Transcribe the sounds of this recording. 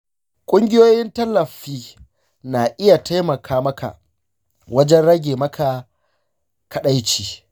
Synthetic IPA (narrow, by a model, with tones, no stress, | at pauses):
kʷʼʊ˦ŋɡʲɪ˦joː˦jɪ˦ntɐ˦lːɐ˨ɸiː˦ | naː˨ʔɪ˦ja˨tʰa˦jmɐ˨kʰaː˦mɐ˦ka̰˨ | wɐ˦d͡ʒɛ˦nɽɐ˦ɡʲeː˨mɐ˦kʰa˨ | kʰɐ˨ɗa˦jt͡ʃiː˨